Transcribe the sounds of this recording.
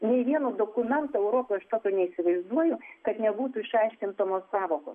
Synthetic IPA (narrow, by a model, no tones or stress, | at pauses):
nʲɛɪʋʲiɛnoːd̪oːkʊmʲɛnt̪oːɛʊɾoːpojɐʃt̪oːkʲoːnʲɛisʲɪʋɐɪzd̪uɔjʊkɐt̪nʲɛbuːt̪uɪʃɑɪʃʲkʲɪnt̪omoːsɑːʋoːko̰ːs